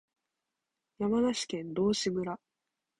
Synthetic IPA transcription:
jamanaɕi̥kẽ̞nd̪o̞ːɕimɯ̟ɾa

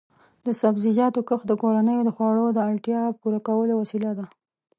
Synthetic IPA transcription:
d̪əsabzid͡ʒɑt̪okəxd̪əkoɾanəjod̪əxwɑɽod̪əaɽʈjɑpuɾakawəlowasilad̪a

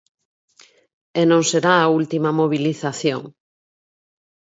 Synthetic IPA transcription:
enõŋseɾaːult̪imɐmoβ̞iliθaθjo̰ŋ

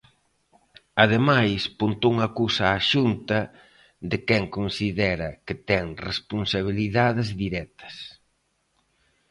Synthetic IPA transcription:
ɐðemajspunt̪ouŋakusɐːʃunt̪ɐ | ðɪkɛŋkonsiðɛɾɐket̪ɛŋrespunsaβ̞iliðaðɪzðiɾɛt̪ɐ̥s

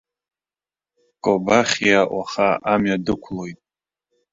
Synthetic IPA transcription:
kʼobaχʲijaʔʷaχaʔamjadɨkʷʰlo̞jtʼ

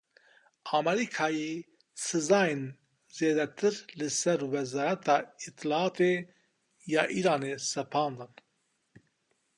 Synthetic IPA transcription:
ɑːmɛɾikʰɑːje | sɨzɑːjen | zeːd̪ɛt̪ʰɨɾlɨsɛɾwɛzɑːɾɛt̪ʰɑːit̪ʰːɨlɑɑːt̪ʰe | jɑːʔiːɾɑːneːsɛpʰɑːnd̪ɨn

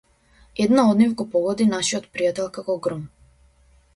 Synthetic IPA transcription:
ɛd̪naɔd̪nivɡɔpɔɡɔd̪inaʃiɔt̪pɾijat̪ɛlˠkakɔɡɾɔm

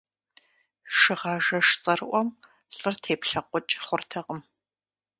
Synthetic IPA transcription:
ʂɨʁɑːʒɐʂt͡sʼɐrɨʔʷɔm | ɬʼɨrtʰeːpɬɐqʷʊt͡ʃʼχʷʊrtʰɐqəm

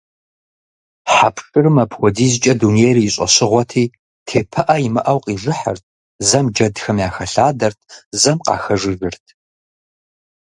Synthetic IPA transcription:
ħapʰʂʼɨrɨmɐpʰwɔdiːzt͡ʃʼɐduneːriɪɕʼɐ̰ɕɪʁʷɔtʰiː | tʰeːpʰɐʔɐjimɐʔɐwqʼiːʐɨħɐ̰rt̚ʰ | zɐmd͡ʒɐdxɐmjaːxɐɬaːdɐrtʰzɐmqa̰ːxɐʐɨʒɨrtʰ

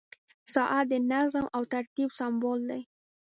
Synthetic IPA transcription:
sɑʔad̪enazəmawt̪aɾt̪ibsambold̪aj

